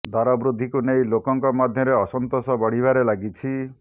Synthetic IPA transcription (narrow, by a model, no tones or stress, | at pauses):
d̪ʱaɾɔbɾud̪ʱːikunejlokɔŋkɔmad̪ʱjɔɾeɔsɔnt̪osɔbɔɽ̤ibaɾelaɡit͡ʃʰi